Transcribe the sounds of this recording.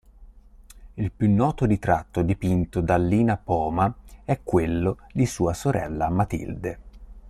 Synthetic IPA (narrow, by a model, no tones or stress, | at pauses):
ilpjunːɔːt̪od̪it̪ɾat̪ːod̪ipint̪od̪alːiːnapɔːmaɛkːwelːod̪isuːasoɾʔɛ̰lːamat̪ḭld̪e